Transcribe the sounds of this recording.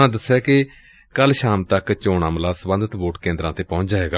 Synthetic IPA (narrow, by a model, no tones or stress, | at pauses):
ãːd̪əsːɛːkɪ | kəlʃaːmt̪əkt͡ʃoːɳəːmlaːsəbə̃nd̪ət̪boːʈkẽːnd̪ɾãːt̪eːpɔ̃ʊ̃t͡ʃd͡ʒaːɦeːɡaː